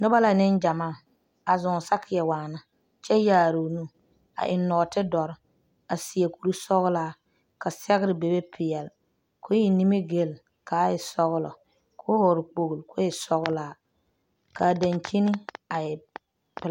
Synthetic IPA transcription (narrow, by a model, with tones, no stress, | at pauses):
nʊ˦ba˦la˨nɪ˦nd͡ʒa˨maː˦˨ | a˨zʊ˨ŋ˨sa˦kʰɪ˨jɛ˨waː˨na˦ | t͡ʃɛ˦jaː˨ɾo˨nu˦ | a̰˨ʔɪ˨nɔ˨tɪ˦dɔ˨ɾɪ˦ | a˨si˨e˨ku˨ɾu˦sɔ˦ɣlaː˨˦ | ka˨sɛ˦ɣɪ˦ɾɪ˨be˨be˦pʰɪ˨jɛ˨l | ko˦i˨ni˦me˦ɡe˨l | ka˨˦jɪ˨sɔ˦ɣʊ˦lɔ̰˨ | kʰo˦hʊ˨ɾɪ˨k͡po˨ɡu˨lkʊ˦jɛ˨sɔ˦ɣʊ˦laː˨ | ka˨da˨nt͡ʃi˦ni˦a˨ɛ˨ | pɪ˦l